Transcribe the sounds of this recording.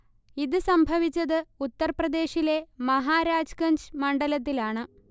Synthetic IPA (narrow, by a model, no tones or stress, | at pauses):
iðɨsɐmbʱɐʋit͡ɕːɐðɨut̪ːɐrprɐd̪e̞ːɕile̞mɐɦaːɾaːd͡ʑkɐɲd͡ʑmɐɳɖɐlɐt̪̬ːilaːɳɨ